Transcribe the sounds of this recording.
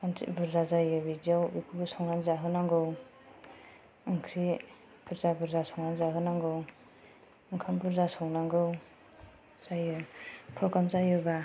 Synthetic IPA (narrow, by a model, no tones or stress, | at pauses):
ansḭbuɾzazajɯbidjawikʰubɯsɔŋnanzaɦɯnaŋɡɯw | ɯŋkʰɾi | b̥uɾzabuɾzasɔŋɾanzaɦɯnaŋɡɯw | ɯŋkʰambuɾzasɔŋnaŋɡɯw | z̥ajɯpʰɔkamzajɯba